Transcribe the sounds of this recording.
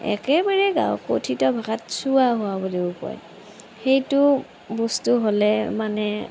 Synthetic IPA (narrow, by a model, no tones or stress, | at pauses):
ɛ̰kɛbaɹɛɡa̰wko̰tʰitɔbʱaɡatsuaɦʊwaboliupɔ̰j | xejtʊ | bɔstuɦolɛmanɛ